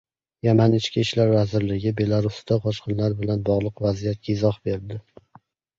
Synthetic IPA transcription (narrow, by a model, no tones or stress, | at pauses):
jamanɪt͡ʃkʲiʃlaɾvazɪɾlɪɡʲɪbe̞lˠaɾʊsd̪aqʰɒʃqɨnlaɾbɪlanbɒʁlˠɨqvazijat̪̚kʲʰaɪzɒhbe̞ɾd̪ɪ